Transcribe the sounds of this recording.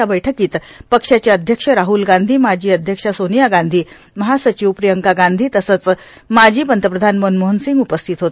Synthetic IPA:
abəjʈʰəkiːt̪pəkʂat͡ɕaəd̪ʱjəkʂəɾaɦulɡãnd̪ʱiːmad͡ʑʱiːəd̪ʱjəkʂasonijaɡãnd̪ʱiː | məɦasət͡ɕiwpɾijəŋkaɡand̪ʱiːt̪əsət͡s | mad͡ʑʱiːpənt̪ʰəpɾəd̪ʱanmənmoɦənsiŋɡupəst̪ʰit̪ɦot̪

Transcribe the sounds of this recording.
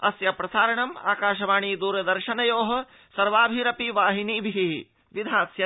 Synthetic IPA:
ɐsjɐpɾɐsaːɾɐɳɐma̰ːkaːʃɐʋaːɳ̃iːd̪uːɾɐd̪ɐɾʃɐnɐjoːɦɐ̆ | sɐɾʋaːbʱiɾɐpiʋaːɦiniːbʱi | ʋid̪ʱaːsjɐ

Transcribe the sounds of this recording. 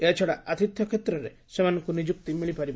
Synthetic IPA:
eat͡ʃʰɔɽaʔat̪it̪jɔkʰet̪ɾɔɾe | semanɔŋkunid͡ʒuk̚t̪imiɭipaɾib

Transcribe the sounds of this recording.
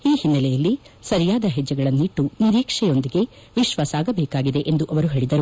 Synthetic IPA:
iːhinːɐlɛjɐlːi | sɐɾijaːd̪ɐɦɛd͡ʒːɐɡɐɭɐnːiʈːuniɾiːkʂɛjo̞nd̪iɡe̞ | ʋiʃʋaːsaːɡɐbɛːkaːɡid̪eʔend̪uʔɐʋɐɾuɦe̞ːɭid̪ɐɾu

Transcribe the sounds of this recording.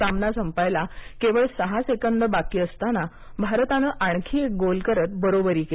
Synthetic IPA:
amnasəmpajlakeʋəɭsəɦasekənd̪əbakiːəst̪ana | bʱaɾt̪anəʔaɽkʰiːek̚ɡolkəɾət̪̚bəɾobəɾiːke

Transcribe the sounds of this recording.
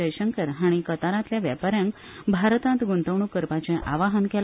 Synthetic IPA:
əjɕəŋkəɾɦaɽ̃ikət̪aɾãt̪ljãʋjɛpaɾjãŋɡ | bʱaɾt̪ãnt̪ɡunt̪əʋɳukəɾpat͡ɕə̃ʔa̰ʋaɦənkɛl

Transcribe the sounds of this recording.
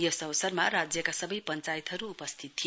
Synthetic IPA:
jʌsʌwsʌrmarad͡zjʌkasʌbʌjpʌnt͡sajit̪ɦʌɾuːpʌst̪ʰit̪ʰːij

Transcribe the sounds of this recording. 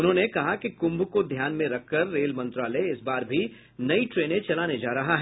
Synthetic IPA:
ʊnɦõnekɐɦakikʊ̃mbʱkod̪ʱjaːnmẽɾɐkʰːɐɾːeːlmɐ̃nt̪ɾaːleɪsbaːɾbʱi | nɐiʈɾeːnẽt͡ʃɐlaːned͡ʒaːɾɐɦaɦɛː

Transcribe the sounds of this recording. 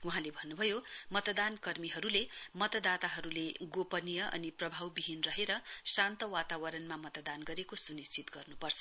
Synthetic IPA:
wuɦãlebʱʌnːubʱʌjomʌt̪d̪ankʌrmiɦʌɾulemʌt̪ʌd̪at̪aɦʌɾuleɡopʌnijʌʔʌ̰niprʌbʱawbiɦinrʌɦeɾʌsãnt̪ʌwat̪awʌɾʌnmamʌt̪ʌd̪anɡʌɾekosunist͡sit̪ɡʌrnupʌrt͡sʰʌ

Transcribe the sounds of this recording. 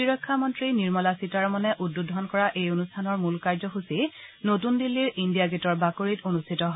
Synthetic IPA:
iɹɔkʰːamɔntɹiniɹmɔlasitaɹmɔnɛʔudːudʱɔnkɔɹaʔejonustʰanɔɹmulkaɹzɔxusinotundilːiɹindijaɡetɔɹbakoɹitonustʰitɔɦɔ

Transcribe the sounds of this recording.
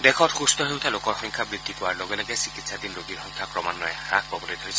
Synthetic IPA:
dɛkʰɔtxustʰɔɦiwtʰalokɔɹxɔŋkʰabɹid̪ʱːikowaɹloɡɛlɛɡɛsikitsadinɹoɡiɹxɔŋkʰakɹɔma̰nːɔjaxʰak̚bɔbɔlojdʱoɹisɛ

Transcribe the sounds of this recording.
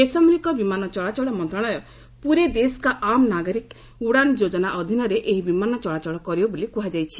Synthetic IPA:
esɔmulikɔbimanɔt͡ʃɔɭat͡ʃɔɭɔmɔnt̪ɾɔɽ̃ɔjɔ | puɾed̪esɔ̥kaʔamnaɡɔɾik | uɽand͡ʒod͡ʒɔnaʔɔd̪ʱinɔɾeʔeɦibimanɔt͡ʃɔɭat͡ʃɔɭɔkɔɾibɔbolikuɦad͡ʒajt͡ʃʰi̥

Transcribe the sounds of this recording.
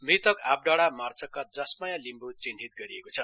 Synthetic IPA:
mrit̪ʌkap̚ɖʌɽamart͡sʌkːad͡zʌsmajãlimbut͡sinɖʱit̪ɡʌɾiekot͡sʰʌ

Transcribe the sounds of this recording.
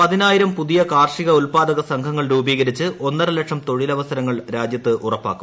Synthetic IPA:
pɐðinaːjiɾɐmpuðijɐkaːrʂiɣɐulpaːd̪ɐɣɐsɐŋkʰɐŋːɐɭɾuːbiːɣɐɾit͡ɕːɨʔo̞nːɐrɨleʈʂɐmt̪o̞ɻilɐʋɐsɐɾɐŋːɐɭɾaːd͡ʑjɐt̪ːɨʔurɐpːa̰ːkːu

